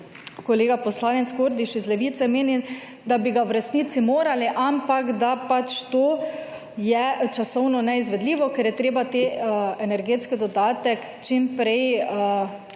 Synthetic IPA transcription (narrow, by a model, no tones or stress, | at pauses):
koleːɡapɔslaːnɛt̪skoɾd̪iʃizlɛʋiːt̪sɛmeːni | d̪abiɡawɾɛsniːt̪simoːɾaliʔampakd̪apat͡ʃt̪oː | jɛt͡ʃasɔwnɔnɛizʋɛd̪liːʋɔkɛɾjɛt̪ɾeːbat̪eɛnɛɾɡeːt̪skid̪ɔd̪aːt̪ɛk | t͡ʃimpɾɛj